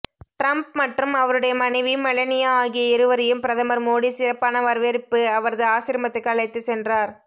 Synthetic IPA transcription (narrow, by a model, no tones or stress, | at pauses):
ʈɾɐmp̚mɐʈrɯmɐʋɐɾɯɽɐjɐmɐnɐɪʋimɐɭɐnɪjɐaːɣɪjɐɪɾɯʋɐɾɪjɯmpɪɾɐðɐmɐɾmoːɽisɪɾɐpːaːnɐʋɐɾʋeːɾɪpːɯɐʋɐɾɐðɯaːsɪɾɐmɐt̪ːɯkːɐɭɐɪt̪ːɯsɛndraːɾ